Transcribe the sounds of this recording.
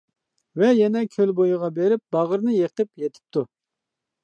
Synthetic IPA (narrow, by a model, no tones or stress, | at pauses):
vɛjɛnɛkʲʰølbojʁɑbeɾɪp̚bɑʁəɾnɨjeχt̪ɪpjet̪ʰɪ̥p̚t̪ʰu